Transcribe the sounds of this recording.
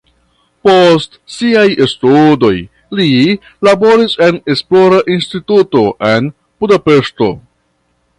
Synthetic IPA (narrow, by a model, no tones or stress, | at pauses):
postsiajestudo̞j | li | labo̞ɾise̞ne̞splo̞ɾaʔinstituto̞ʔe̞n | b̥udape̞ʃto̞̰